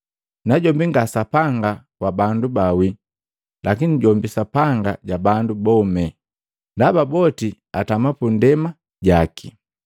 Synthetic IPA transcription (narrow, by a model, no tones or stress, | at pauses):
naɟɔmbiŋɡasapaŋɡakwabandubawi | lakiniɟɔmbisapaŋɡaɟabandubɔmɛ | ndababɔti | atamapundɛma | ɟakʰi